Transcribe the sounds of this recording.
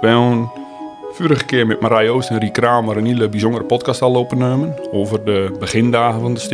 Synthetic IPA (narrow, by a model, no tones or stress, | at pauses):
ʋɛon | fyɾəxəkɪərmɛt̚maɾajoːstənrikraːməɾənilˠəbizondəɾəpɔt̚kɑstalopənømənoːvərdəbəxɪndaːɣənfɔndəst